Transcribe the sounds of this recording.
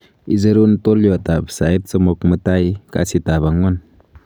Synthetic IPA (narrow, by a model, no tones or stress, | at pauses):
izəɾuntoljoatapsait̚t͡səmɔkmətajka̰sitaβaŋwan